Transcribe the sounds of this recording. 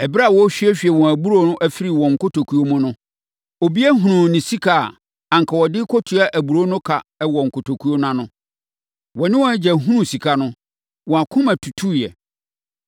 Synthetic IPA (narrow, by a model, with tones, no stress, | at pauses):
ɛ˨bɪ˦ɾa˦˨wɔ˦ɕᶣi˦ɛ˦ɕᶣi˨ɛ˨wɔ̃˨æ˨bu˦ɾo˦nʊ̃˦ʔæ˨fi˦ɾi˨wɔ̃˨ŋ̩˨kʊ˦tʰo˨kʰu˨o˦mʊ̃˦nʊ̃˦ | o˨bi˦æ˦ɦũ˨nʊ̃˨nɪ̃˨si˦kʰa̰˨ | ã˨ŋ˨kʰa˨wɔ˨dɪ˦kʰɔ˦tʰʊ˨a˦ʔæ˨bu˨ɾo˦nʊ̃˦kʰa˨ɛ˦wɔ˨ŋ̩˨kʰʊ˨tʰo˨kʰu˦o˦nã˦nʊ̃˦ | wɔ˨nɪ̃˦wɔ̃˦æ˦d͡ʑɛ˨ɦũ˦nũ˦si˨kʰa˦nʊ̃˦ | wɔ̃˨a˨kʰʊ̃˦mæ̃˨tʰu˨tʰu˦jɛ̰˨